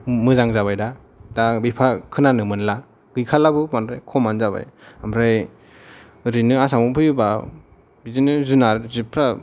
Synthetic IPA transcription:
mɯzaŋzaβajda | dabipʰakʰɯnanɯmɯnla | ɡ̥ɯjkʰalabɯmanɾajkʰɔmanzaba̰jamɾaj | ɾinɯasamɔpʰɯjba | bizinɯzunaɾzipʰɾa

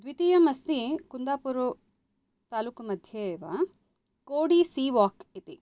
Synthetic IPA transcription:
d̪ʋit̪ijɐmɐst̪ikund̪aːpuɾu | t̪aːluːkmɐd̪ʱjeʋɐ | koːɽisiːʋaːkit̪i

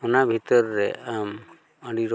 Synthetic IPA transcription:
ɔnabʱit̪ɔɾːɛam | əɽiɾɔ

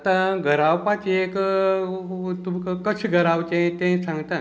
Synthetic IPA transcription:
t̪ãɡʱəɾawpãt͡ɕiek | t̪umkəkət͡ɕɡʱəɾawt͡ɕẽt̪ẽsãŋɡt̪a

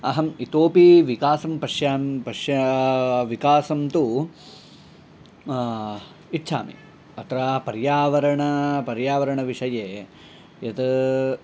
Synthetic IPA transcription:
ɐ̰ɦɐmit̪oːpiʋikaːsɐmpɐʂjaːmpɐʂjɐʋikaːsɐmt̪u | itːt͡ʃʰa̰ːmḭ | ɐt̪ɾaːpɐɾjaːʋɐɾɐɳɐpɐɾjaːʋɐɾɐɳɐʋiʂɐjeː | jɐt̪

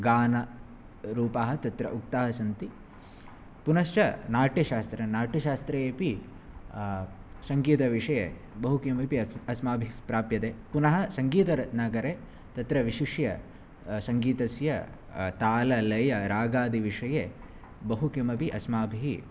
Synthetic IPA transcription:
ɡaːnɐ | ɾuːpaːɦɐt̪ɐt̪ɾɐ̰ʔuk̚t̪aːɦɐsɐnt̪i | punɐʃt͡ʃɐnaːʈiʃaːst̪ɾɐnaːʈiʃaːst̪ɾɐjeːpi | sɐŋɡiːt̪ɐʋiʂɐje | bɐɦukɐmɐpiɐsmaːbʱipɾaːpjɐt̪eːpunɐɦɐsɐŋɡiːt̪ɐɾɐnaɡɐɾeː | t̪ɐt̪ɾɐʋiʃiʂjɐ | sɐŋɡiːt̪ɐsjɐ | t̪aːlɐlɐjɐɾaːɡaːd̪iʋiʂɐje | bɐɦukimɐpiʔɐsmaːbʱiɦi

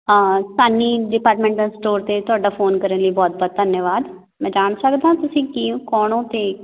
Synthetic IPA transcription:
saːniːɖɪpaːɾʈmɛ̃ɳʈə̃sʈoːɾt̪eːt̪ʊaːɖaːfʰoːnkəɾənləiːbɔːt̪̚bɔːt̪̚d̪ʱənjəʋaːd̪ | mɛ̃ːd͡ʒaːɳ̃səkd̪ãːt̪ʊsĩːkiːõːkɔːɳõːt̪eː

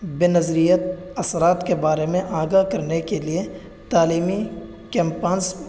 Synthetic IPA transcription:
bɪnɐzɾijət̪ɐsɾaːt̪kebaːɾemẽʔaːɡakɐɾnekelie | t̪aːliːmi | kɛ̃ːmpaːnz

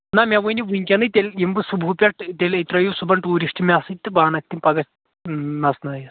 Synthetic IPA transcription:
namʲaʋunʲiʋuŋʲkʲanɨt̪ʲelʲjimbɨsubʱupʲɐʈt̪elɐt̪ɾɐjusubɐɳʈuːɾiʂʈimʲasɨt̪ːɨbaːnɐk̚t̪ːimpɐɡɐs | nɐsnɐjɐ

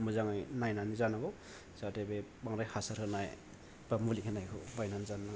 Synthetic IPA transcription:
muzaŋajnajnanizanaɡɯ | z̥atebebaŋɾajhasaɾhʰɯnaj | bamulikʰenajkʰɯ̰bajnanizanːa

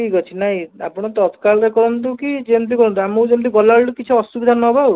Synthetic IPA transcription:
ikɔt͡ʃʰinaɦĩa̰pɔɽ̃ɔt̪ɔt̪kaɭɾekɔɾɔnt̪ukid͡ʒent̪̬ikɔɾɔnt̪uamud͡ʒemt̪̬iɡɔlaɭʈukit͡ʃʰiɔsubid̪ʱanɔbʱaw

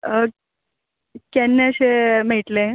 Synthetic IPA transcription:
kenːeəɕemeʈle

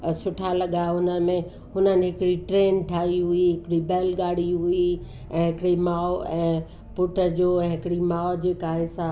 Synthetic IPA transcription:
sʊʈʰalɐɠaɦʊnəɪ̆mẽ | ɦʊnənɪ̆ɦɪkɪɽiʈɾẽːnʈʰaːiɦʊiɦɪkɪɽibɛːlɡaːɽ̤iɦʊi | ɛ̃ːɦɪkɪɽimaːoɛ̃ː | pʊʈʰə̆d͡ʑoːɛ̃ːɦɪkɪɽimaːd͡ʑeːkaɦesa

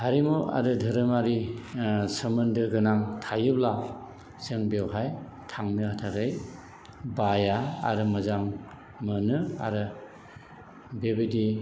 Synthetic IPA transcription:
haɾimua̰ɾɯdʱɯɾɯmaɾi | səmɯndɯɡɯnaŋtʰajɯbla | seŋbewɦaj | tʰaŋnɯhatʰaɾɯj | baja̰ːɾɯmɯzaŋ | mɯnɯa̰ɾɯ | bebidi

